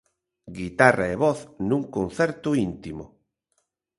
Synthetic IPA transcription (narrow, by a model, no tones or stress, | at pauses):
ɡit̪araeβɔθnũŋkon̟θɛɾt̪ʊint̪imʊ̰